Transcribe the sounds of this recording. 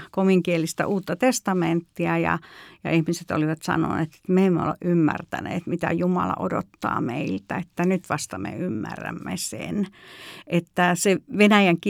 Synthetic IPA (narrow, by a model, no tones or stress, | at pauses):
komiŋkielist̪æ̰ʔuːt̪ːɑt̪est̪ɑment̪ːiæjɑ̰jɑihmiset̪o̰liʋɑt̪sɑ̰no̰nḛːt̪e̥t̪meemːeo̰leʔʔymːært̪ænḛːt̪mit̪æjumɑlɑ̰ʔodot̪ːɑ̰ːmeilt̪æet̪ːænyt̪ʋɑst̪ɑmḛymːæ̰rːæ̰mːesḛnʔet̪ːæseʋenæjæŋk